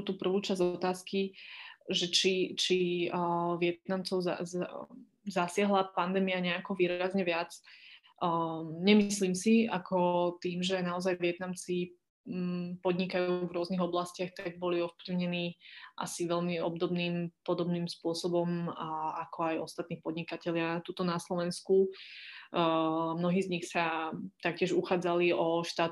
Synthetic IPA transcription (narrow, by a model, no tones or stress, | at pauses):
t̪uːpr̩ʋuːt͡ʃazɔt̪aːski | ʒɛt͡ʃit͡ʃi | ʋɪɛt̪namt͡sɔʊza̰ | zasɪaɦlapand̪ɛːmiaɲɛakɔʋiːɾazɲɛʋɪat͡sː | ɲɛmisliːmsiakʰɔt̪iːmʒɛnaɔzajʋɪɛt̪namt͡si | pɔd̪ɲikajuːvɾʊɔzniɣɔblascɪaxt̪aɡ̚bɔliɔfpliʊɲɛniːʔa̰siʋɛʎmiɔ̰bd̪ɔbniːmpɔd̪ɔbniːmspʊɔsɔbɔmakʰɔajɔst̪at̪niːpɔd̪ɲikacɛʎɪat̪uːt̪ɔnaslɔʋɛnsku | mnɔɦiːzɲixsat̪ak̚cɪɛʒuxaːd͡zaliʔɔʃt̪aːt̪